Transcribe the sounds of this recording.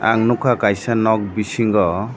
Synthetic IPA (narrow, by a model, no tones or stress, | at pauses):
a̰ŋnukʰakajsanɔk̚bisiŋɡɔ